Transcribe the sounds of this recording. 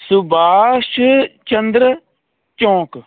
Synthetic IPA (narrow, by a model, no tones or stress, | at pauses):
sʊbaːʃt͡ʃənd̪ɾə | t͡ʃɔ̃ːk